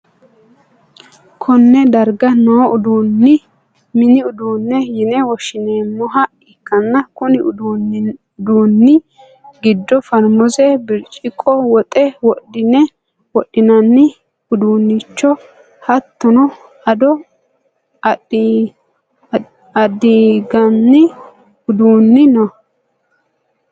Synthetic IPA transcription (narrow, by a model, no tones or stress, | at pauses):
kʰɔnːɛd̪ɐɾɡɐnoːʔʊd̪unːɪ | mɪnɪʊd̪uːnːɛjɪnɛwɔʃɪneːmːɔɦɐ | ɪkːɐnːɐkʊnɪ | d̪uːnːɪ | ɡɪd̪ːɔfɐɾmɔzɛbɪɾt͡ʃʼɪkʼːɔwɔt̪ʼɛwɔɗɪnɛ | wɔɗːɪnɐnːɪ | ʊd̪uːnːit͡ʃːɔ | hɐt̪ːʊnɔ | ɐd̪ɔ | ɐd̪iːɡɐnːɪ | ʊd̪uːnːɪnɔ